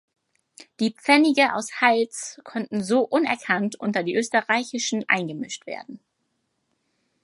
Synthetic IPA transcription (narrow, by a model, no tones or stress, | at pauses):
d̥iːpp͡fɛnɪɡəʔa̰ʊshalt͡skʰɔntn̩zoːʔʊnɛɐkʰantʔʊntɐdiːʔøːstəʁaɪçɪʃn̩ʔa̰ɪnɡəmɪʃtv̥ḛːɐdn̩